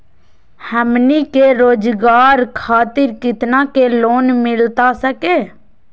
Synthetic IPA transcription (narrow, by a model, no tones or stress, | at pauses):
həmnikeɾoːd͡ʒɡaːɾkʰaːt̪ɪɾkɪt̪nakeloːnmɪlt̪asəkeː